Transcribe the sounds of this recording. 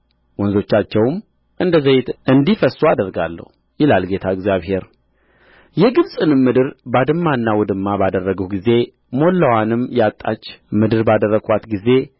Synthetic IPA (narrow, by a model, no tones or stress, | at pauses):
wɔnzo̞t͡ʃːat͡ʃːɛwm | ʔɨnd̪əzəjɪt̪ʔɨnd̪ifəsuad̪əɾɡa̰lːə̰hu | jɪlalɡe̞t̪ʰaəɡzjaβɦe̞ɾ | jɛɡɨβsʼɨnɨmːɨd̪ɨɾbad̪ɨmːanːawɔd̪ɨmːabad̪ərːəɡəhɡize̞ | mo̞lːəwanɨmjɛat̪ʼːa̰t͡ʃːmɨd̪ɨɾbad̪ərːəɡat̪ɡize̞